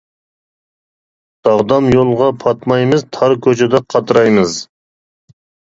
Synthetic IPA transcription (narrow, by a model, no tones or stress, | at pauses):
d̪̥ɑʁd̪ɑmjolˠʁɑpʰɑt̪mɑjmɨzt̪ʰɑɾkʲʰøt͡ʃʰɛd̪ɛqʰɑt̪ɾɑjmɨz